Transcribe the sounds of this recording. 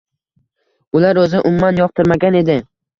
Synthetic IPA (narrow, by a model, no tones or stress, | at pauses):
ʊlaɾɵzɪʔʊmːanjɒqt̪ʰɪɾmaɡʲane̞d̪ɪ